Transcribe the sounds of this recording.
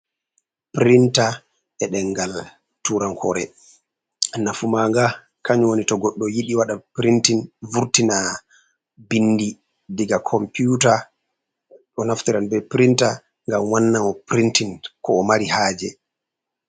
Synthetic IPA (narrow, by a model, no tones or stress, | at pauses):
pɾinta | ɛɗɛŋːɡal | tuɾaŋkʰɔɾɛ̰ | nafumaŋɡa | kʰaɲwonitɔɡɔɗːɔjiɗiwaɗapɾintinvuɾtina | binːdi | diɡakʰɔmpjuta | ɔnaftiɾanbɛpɾinta | ŋɡamwanːamɔpɾintinkɔːmaɾihaːd͡ʒɛ